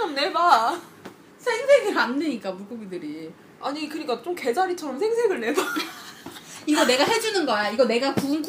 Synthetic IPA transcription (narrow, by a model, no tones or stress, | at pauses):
ʌmne̞ba | sʰe̞ŋsʰe̞ɡɯɭamnɯɲik͈amuɡuɡidɯɾi | aɲikɯɲik͈at͡ɕ͈omke̞d͡ʑaɾit͡ɕʰʌɾʌmsʰeŋsʰe̞ɡɯɭne̞ba | iɡʌne̞ɡaɦe̞d͡ʑunɯnɡʌjaiɡʌne̞ɡakuŋɡ